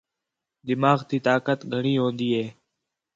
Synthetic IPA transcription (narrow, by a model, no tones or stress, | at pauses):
d̪ɪmaːɣt̪iːt̪aːkət̪ɡʱəɳiːɦõːnd̪iːɦeː